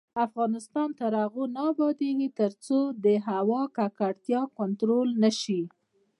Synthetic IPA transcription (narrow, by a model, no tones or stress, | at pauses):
afɣɑnɪst̪ɑnt̪aɾaɣunɑbɑd̪eɡit̪əɾt͡sod̪əɦawɑkakaɽt̪jɑkʊnt̪ɾolnaʃi